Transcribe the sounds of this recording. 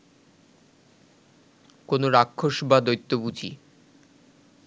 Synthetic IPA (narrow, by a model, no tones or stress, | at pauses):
konoɾakʰːoʃbad̪ojt̪ːobud͡ʑḭ